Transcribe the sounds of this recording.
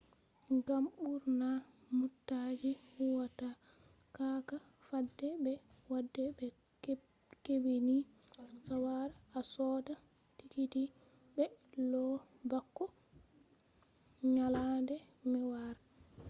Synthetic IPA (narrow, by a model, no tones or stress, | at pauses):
ɡamɓuɾna | mutːad͡ʒihuwata | kaka | fadːɛbɛ | wadːɛbɛ | kebini | sawaɾasɔda | tikiti | bɛlɔ | bakːɔ | ɲalandɛmɛwaɾ